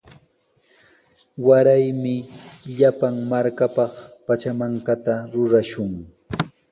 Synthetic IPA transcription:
waɾajmɪʎapaŋmaɾkapɑχpat͡ʃamaŋkat̪aɾʊɾaʃʊŋ

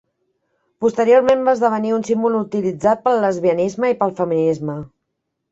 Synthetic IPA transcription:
pust̪əɾioɾmembazðəβ̞əniunsimbulut̪ilid͡zat̪̚pəlˠːəzβiənizməipəlˠfəminizmə

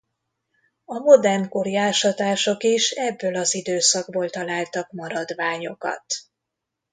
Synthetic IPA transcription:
ɒmo̞d̪ɛrmkorjaːʃɒt̪aːʃo̞kiʃɛbːølɒzid̪øːsɒɡboːlt̪ɒlaːlt̪ɒkmɒɾɒd̪ʋaːɲo̞kɒ̰t̪

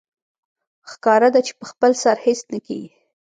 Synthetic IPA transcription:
xkɑɾad̪at͡ʃe̥pəxpəlsaɾhesnəkḛɡi

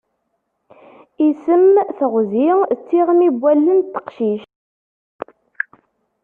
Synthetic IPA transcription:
isəmθəʁzit͡sːiʁmibʷːælːənt̪ːə̥qʃiʃ

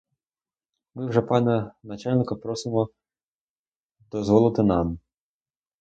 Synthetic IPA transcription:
mɪwʐɛpɑnʲɐnɐt͡ʃalʲnɪkɐpɾɔsɪmɔ | d̪ɔzʋɔlˠɪt̪ɪnɑm

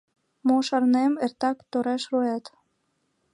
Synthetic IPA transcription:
moʃɑrnemert̪ɑkt̪oɾeʃrojɑt̪

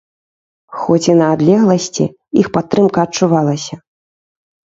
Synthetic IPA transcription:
xɔt͡sʲinɐːd̪lʲɛɣlˠɐsʲt͡sʲḭ | ixpat̪ːɾɨmkɐːt͡ʂuvalˠɐsʲɐ

